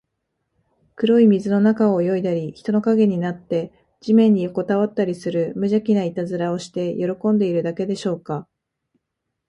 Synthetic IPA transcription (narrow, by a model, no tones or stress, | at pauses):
kɯ̟ɾo̞imʲizɨno̞nakao̞jo̞id̪aɾʲiçi̥t̪o̞no̞kaɡe̞ɲ̟inat̪ːe̞ | d͡ʑimẽ̞ɲ̟ːijoko̞t̪aβat̪ːaɾʲisɨɾɯ̟mɯ̟ʑakʲinait̪azɨɾao̞ɕi̥t̪e̞jʔo̞ɾo̞kõ̞nd̪e̞iɾɯ̟d̪ake̞d̪e̞ɕo̞ːka